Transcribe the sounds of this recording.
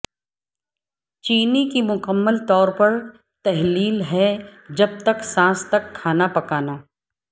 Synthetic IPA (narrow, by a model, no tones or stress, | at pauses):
t͡ʃiːnikimʊkəmːəlt̪ɔːɾpɐɾ | t̪ɛɦliːlɦɛd͡ʒɐb̚t̪ɐksãːst̪ɐkʰːaːnapɐkaːnaː